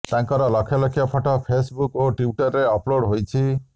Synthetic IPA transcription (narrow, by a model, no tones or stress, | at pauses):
t̪aŋkɔɾɔlɔkʰjalɔkʰjɔpʰɔʈɔpʰesbukoʈiuʈɔɾːeɔploɽɦojt͡ʃʰi